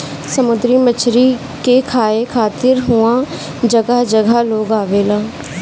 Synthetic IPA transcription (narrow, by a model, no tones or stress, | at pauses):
səmʊd̪ɾimət͡ʃʰɾi | kekʰaːekʰaːt̪ɪɾɦuã | d͡ʒəɡaɦd͡ʒəɡaloːɡaːʋeːlaː